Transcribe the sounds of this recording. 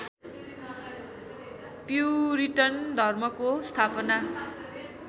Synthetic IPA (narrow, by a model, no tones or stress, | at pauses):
pjuɾiʈʌrnd̪ʱʌrmʌkost̪ʰapʌna